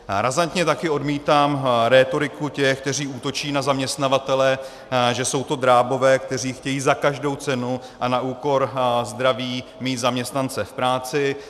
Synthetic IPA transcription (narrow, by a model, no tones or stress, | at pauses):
ɾazant̪ɲɛt̪akɪo̞dmiːt̪aːmɾɛːt̪o̞ɾɪkucɛxkt̪ɛr̝iːuːt̪o̞t͡ʃiːnazamɲɛst̪navat̪ɛlɛ | ʒɛso̞wt̪o̞d̪ɾaːbo̞vɛːk̚t̪ɛriːxcɛjiːzakaʒdo̞wt͡sɛnu | ʔanaʔuːko̞ɾzd̪ɾaviːmiːt̪zamɲɛst̪nant͡sɛfpɾaːt͡sɪ